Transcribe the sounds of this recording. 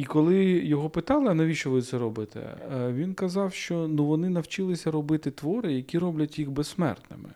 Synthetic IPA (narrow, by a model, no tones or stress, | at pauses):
ikɔlˠɪjɔɦɔpɪt̪ɑlˠɪɐnɐʋʲiʃt͡ʃɔʋɪt̪sɛɾɔbɪt̪ɛ̰ʋʲinkɐzɑwʃt͡ʃɔnuʋɔnɪnɐwt͡ʃɪlˠɪsʲɐɾɔbɪt̪ɪt̪ʋɔɾɪjɐkʲiɾɔblʲɐtʲjixbɛssmɛ̰rt̪nɪ̰mɪ̰